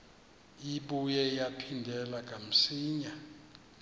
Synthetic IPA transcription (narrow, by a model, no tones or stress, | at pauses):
iɓujɛjapʰindʱɛlak̬ʼam̩siːɲa